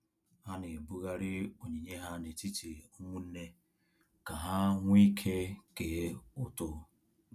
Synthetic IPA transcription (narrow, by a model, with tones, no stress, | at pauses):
a˦ne˨bu˦ɣa˦ɾɪ˦o˨ɲi˨ɲe˦ɦa˦ne˨ti˦ti˨o˦ŋʷu˦n̩˦ne˦ | ka˨ɦa˦ŋʷ˦i˦kʰe˦ke˨e˦ʊ˨tʊ˦